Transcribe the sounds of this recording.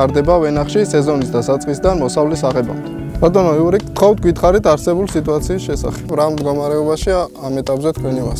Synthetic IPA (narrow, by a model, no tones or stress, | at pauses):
aɾd̪ɛbavɛnaχʃisɛzɔnisd̪asat̪sʼqʼisd̪anmɔsavlisaʁɛba̰md̪ɛ | bat̪ʼɔnɔiuɾikʼt̪ʰχʰɔft̪ʰɡwit̪χaɾit̪ʰaɾsɛbulˠsit̪ʼuat̪sʰiːsʃɛsa̰χɛ̥bɾamd̪ɡɔmaɾɛɔbaʃiaːmɛt̪ʼapʼzɛt̪̚ʰkʰwɛnimas